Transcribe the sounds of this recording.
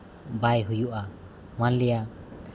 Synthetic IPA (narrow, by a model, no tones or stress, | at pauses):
bajɦujuʔa | malija